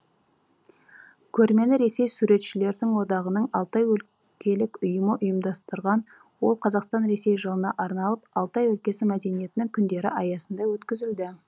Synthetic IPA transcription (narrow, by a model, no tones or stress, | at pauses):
kʲʰɵɾme̞lɪɾe̞se̞jsuɾe̞t̪ʃɪle̞ɾd̪ɪŋwo̞d̪ɑʁənəɴɑlˠt̪ɑjwɵl | kʲʰe̞lɪkʲʊjəməʔʊjəmd̪ɑst̪əɾʁɑn | wo̞lˠqʰɑzɑqst̪ɑnɾe̞se̞jʒəlˠənɑʔɑɾnɑlˠəpɑlˠt̪ɑjwɵlkʲe̞sɪmæd̪e̞nije̞t̪ɪnɪŋkʲʰʏnd̪e̞ɾɪʔɑjɑsənd̪ɑwɵt̪kʲɪzɪld̪ɪ